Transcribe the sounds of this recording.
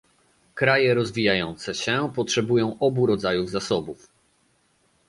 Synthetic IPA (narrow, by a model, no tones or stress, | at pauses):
kɾajɛɾɔzvʲijajɔnt̪sɛɕɛpɔtʂɛbujɔ̃w̃ʔɔbuɾɔd̪zajuvzasɔbuf